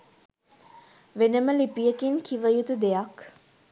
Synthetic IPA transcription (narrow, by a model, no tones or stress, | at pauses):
ʋenəməlipijəkinkʰiʋəjut̪ud̪ejak